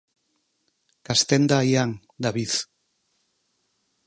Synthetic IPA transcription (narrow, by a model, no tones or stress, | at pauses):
kast̪end̪ajaŋ | d̪aβiθ